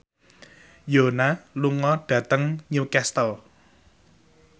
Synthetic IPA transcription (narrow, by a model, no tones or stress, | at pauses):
jonaluŋɔɖ̥ä̤t̪əŋɲukɛst̪əl